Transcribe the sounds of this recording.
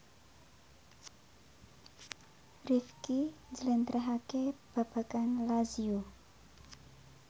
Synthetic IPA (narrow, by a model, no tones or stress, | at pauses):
rifkiɲd͡ʒələnt̪ɾʔaɦakeb̥a̤b̥a̤kanlaziu